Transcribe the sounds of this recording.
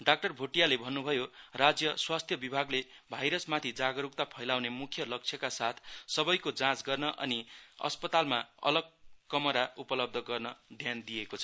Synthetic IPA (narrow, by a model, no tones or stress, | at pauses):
ɖak̚ʈʌrbʱoʈijalebʱʌnːubʱʌjorad͡zjʌswast̪ʰjʌbibʱaɡlebʱajɾʌsmat̪ʰid͡zaɡʌɾuk̚t̪apʰʌjlawnemukʰjʌlʌk̚t͡sʰjʌkasat̪ʰsʌbʌjkod͡zãt͡sɡʌrnʌʔʌ̰niʌ̰spʌt̪almaʌ̰lʌɡ̚kːʌmʌɾaupʌlʌb̚d̪ʱʌɡʌrnʌd̪ʱjand̪ijekot͡sʰʌ